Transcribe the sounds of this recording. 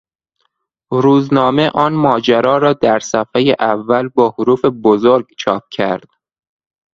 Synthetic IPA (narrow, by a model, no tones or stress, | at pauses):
ɾuːznɒːme̞ʔɒːnmɒːd͡ʒæɾɒːɾɒːd̪æɾsæfejeʔævːælbɒːhoɾuːfe̞bozoɾɡt͡ʃʰɒːp̚cʰæɾd̪̥